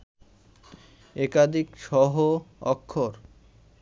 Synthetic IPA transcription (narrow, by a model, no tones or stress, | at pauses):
ɛkad̪ʱikʃɔɦoɔ̰kʰːoɾ